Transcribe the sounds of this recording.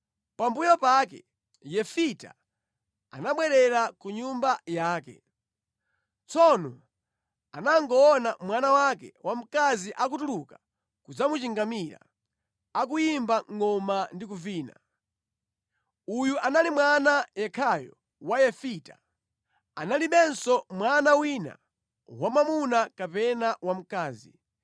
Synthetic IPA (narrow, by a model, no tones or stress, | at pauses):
pambujɔpakɛ̰ | jɛfita̰ | a̰naɓwɛɾɛɾakuɲumbajaːkɛ̰ | t͡sɔnɔ | anaŋɡɔːnamwanawakɛ̰wʔam̩kaziʔak̬utuluka | kud͡zamut͡ʃiŋɡamiɾa̰ | ak̬ujimbaŋɔmandik̬uviːna̰ | ujuʔanalimwanajɛkʰajɔ̰ | wajɛfita̰ | analiɓɛnsɔmwanawina̰ | wamamunakapɛnawam̩kaːzi